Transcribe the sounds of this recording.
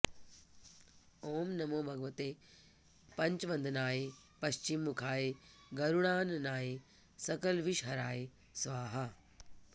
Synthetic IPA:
oːmnɐmoːbʱɐɡɐʋɐt̪eː | pɐɲt͡ʃʋɐ̃nd̪ʱnaːje | pɐʃt͡ʃimːukʰaːje | ɡɐɾuɽ̃aːnnaːje | sɐkɐlʋiʃɦɐɾaːje | sʋaːɦɐ

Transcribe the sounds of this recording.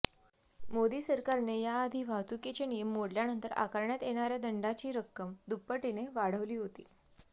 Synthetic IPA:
mod̪iːsəɾkaɾnejaːd̪ʱiːʋʱat̪uket͡ɕenijəmːoɽljanənt̪əɾʔa̰kəɾɳjat̪jeɽ̃aɾjad̪əɳɖat͡ɕiːɾəkːəmd̪upːəʈineʋaɽ̤əʋliːɦot̪ḭː

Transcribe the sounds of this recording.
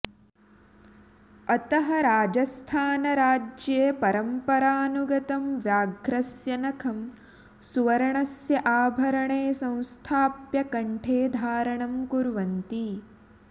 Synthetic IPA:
ɐt̪ɐɦɐɾaːd͡ʒɐst̪ʰaːnɐɾaːd͡ʒjepɐɾɐmpɐɾaːnuɡɐt̪ɐmʋjaːɡɾɐsjɐnɐkʰɐm | suʋɐɾɐɳɐsjɐʔaːbʱɐɾɐɳeːsɐ̃w̃st̪ʰaːpjɐkɐɳʈʰeːd̪ʱaːɾɐɳɐmkuɾʋɐnt̪i

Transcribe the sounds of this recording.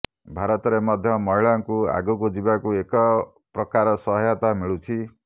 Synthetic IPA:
bʱaɾɔt̪ɔɾemɔd̪ʱjɔmɔɦiɭaŋkua̰ɡukud͡ʒibakuekɔ | pɾɔkaɾɔsɔɦjat̪amiɭut͡ʃʰi

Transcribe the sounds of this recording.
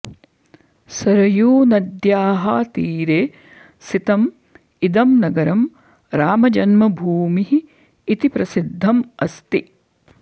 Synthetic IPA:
sɐɾɐjuːnɐd̪jaːɦaːt̪iːɾeː | sit̪ɐm | id̪ɐmnɐɡɐɾɐm | ɾaːmɐd͡ʒɐnmɐbʱuːmiɦiː | t̪ipɾɐsid̪ʱːɐmɐst̪i

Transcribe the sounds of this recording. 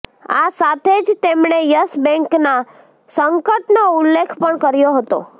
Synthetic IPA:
asat̪ʰed͡ʒt̪emɳejəsbɛ̃ŋkna | səŋkəʈnoulːekʰpəɳkəɾjoɦət̪o̰

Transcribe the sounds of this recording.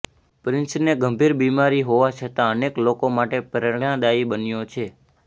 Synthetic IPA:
pɾɪnsneɡəmbʱiɾbimaɾiɦoʋat͡ʃʰət̪ãəneklokomaʈepəɾəjãd̪aibənjot͡ʃʰe

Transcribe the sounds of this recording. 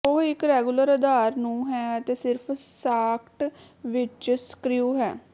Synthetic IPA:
oɦɪkɾɛːɡuləɾəd̪aːɾnũːɦɛːət̪eːsɪɾpʰsaːkʰʈ | ʋɪt͡ʃsə̥kɾɪjuːɦɛ̰ː

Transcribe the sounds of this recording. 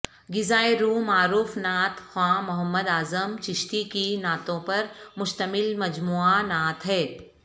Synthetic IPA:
ɡɪzaːeɾuːmaːɾuːfnaːt̪xwãːmʊɦəmːəd̪aːzəmt͡ʃɪʃʈ̪ikinaːt̪õpɐɾmʊʃt̪əmɪlmɐd͡ʒmuːanaːt̪ɦɛː

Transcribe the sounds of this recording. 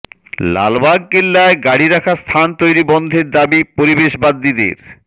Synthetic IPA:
la̰lbaɡ̚kelːaeɡaɽiɾakʰast̪ʰant̪ojɾibɔnd̪ʱeɾd̪abipoɾibeʃbad̪ːid̪ḛɾ

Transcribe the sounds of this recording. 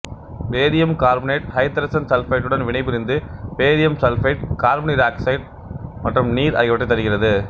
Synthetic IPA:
peːðɪjɐmkaːɾbɐneːʈhɐɪt̪ːɐɾɐsɐnsɐlfɐɪʈːɯɽɐnʋɪɳɐɪpːɪɾɪnd̪ɯpeːðɪjɐmsɐlfɐɪʈ̚kaːɾbɐneːʈaːksɐɪʈ̚ | mɐʈrɯmniːɾɐ̰ɪɣɐʋɐʈːɐɪt̪ːɐɾɯɣɪrɐðɯ

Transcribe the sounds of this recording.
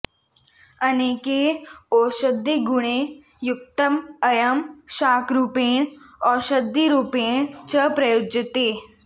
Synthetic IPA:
əneːkeɔːʃəd̪ːiɡuɽ̃e | juk̚t̪əmɐjəmʃaːkɾupeːɳɔːʃəd̪ʱːiɾupeːɳt͡ɕəpɾɐjod͡ʒət̪eː

